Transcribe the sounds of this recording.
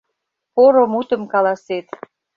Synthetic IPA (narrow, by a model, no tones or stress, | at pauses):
poɾomut̪ə̆mkɑlɑset̪